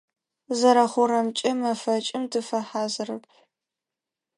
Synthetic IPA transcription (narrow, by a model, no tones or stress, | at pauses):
zɐɾɐχʷʊɾɐmt͡ʃʼɐmɐfɐt͡ʃʼɪmdɨfɐħaːzɨrɨpʰ